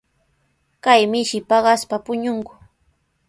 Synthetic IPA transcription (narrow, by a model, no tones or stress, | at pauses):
kajmɪʃɪpɑɢɑspapʊɲʊŋkʊ̥